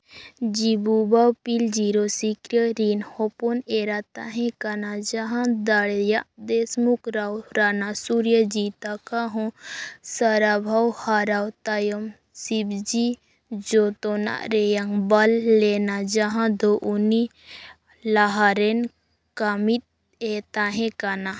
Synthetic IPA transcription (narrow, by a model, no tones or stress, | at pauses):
d͡ʒibubawpild͡ʒiɾosikɾjəɾinhɔponeɾat̪aɦẽkanad͡ʒaɦãd̪aɽjad̪esmukɾawɾanasuɾjəd͡ʒit̪akaɦɔ̃səɾabʱawhaɾawt̪ajəm | sibd͡ʒi | d͡ʒot̪ona̰ɾejaŋɡbɐlːenad͡ʒaɦãd̪oʔuni | laɦaɾen | kamit̪̚ | et̪aɦẽkana